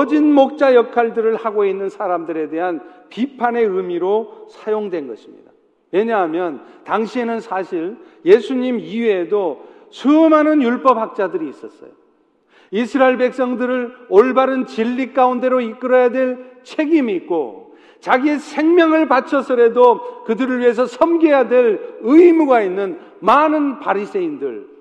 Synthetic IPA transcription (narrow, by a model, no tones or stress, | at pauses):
ʌd͡ʑinmok̚t͡ɕ͈ajʌkʰaɭdɯɾɯɭhaɡoinːɯnsʰaɾamdɯɾe̞de̞ɦanpipʰane̞ɯmiɾosʰajoŋdwe̞nɡʌɕʰimɲḭda | we̞ɲaɦamjʌntaŋɕʰienɯnsʰaɕʰiɭjesʰuɲimieedo | sʰumanɯnjuɭp͈ʌp̚hak̚t͡ɕ͈adɯɾiːs͈ʌs͈ʌ̰jo | isʰɯɾaeɭbe̞k̚s͈ʌŋdɯɾɯɭoɭbaɾɯnt͡ɕiʎːik͈aunde̞ɾoik͈ɯɾʌjadwe̞ɭt͡ɕʰe̞ɡimiːk̚k͈o̰ | t͡ɕaɡiesʰe̞ŋmjʌŋɯɭpat͡ɕʰʌsʰɯɾe̞dokɯdɯɾɯɭɥiɦe̞s̬ʰʌsʰʌmɡejadwe̞lɯimuɡainːɯn | manɯnpaɾis͈e̞indɯ̰ɭ